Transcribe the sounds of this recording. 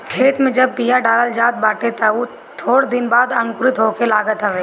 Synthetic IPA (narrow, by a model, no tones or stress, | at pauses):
kʰeːt̪mẽd͡ʒɐb̚pijaɖaːləld͡ʒaːt̪̚baːʈet̪au | t̪ʰoːɽd̪ɪnbaːd̪ɐ̃ŋkʊɾɪt̪ɦoːkelaːɡət̪ɦəʋeː